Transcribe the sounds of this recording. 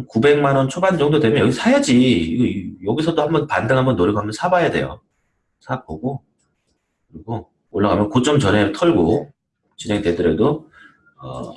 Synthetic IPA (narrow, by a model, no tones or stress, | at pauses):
kube̞ŋmanʌnt͡ɕʰoband͡ʑʌŋdodwe̞mjʌnjʌɡisʰajad͡ʑiiɡʌjʌɡisʰʌdohambʌnpandɯŋɦambʌnːoɾɯɡoɦamjʌnsʰabajade̞̰jo̰ | sʰapoɡo | kɯɾiɡo | oɭːaɡamjʌnkot͡ɕ͈ʌmt͡ɕʌnetʰʌɭɡo | t͡ɕinɦe̞ŋte̞dɯɾedo | ʌ̰